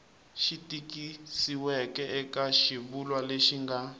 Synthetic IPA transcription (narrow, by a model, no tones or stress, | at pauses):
ʃitikisiwɛkɛɛkaʃiβulwaleʃiŋɡa